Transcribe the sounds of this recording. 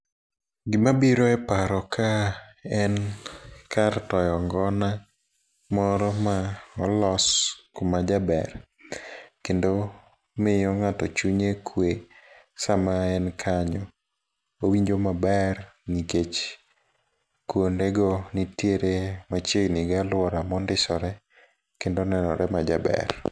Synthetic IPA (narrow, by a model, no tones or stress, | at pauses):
ɡɪmabiɾoɛpaɾɔkʰaɛn | kartɔjɔŋɡɔna | mɔɾɔmaɔlɔskʊmad͡ʒabɛr | kendo | mɪjɔŋatɔt͡ʃuɲekʰwe | samaɛnkʰaɲɔ | owiɲd͡ʒomabɛrniket͡ʃ | kwondeɡonitjeɾemat͡ʃeɡnɪɡalwɔɾamɔndɪsɔɾɛ | kendonɛnɔ̰ɾʔɛmad͡ʒa̰bɛ̰r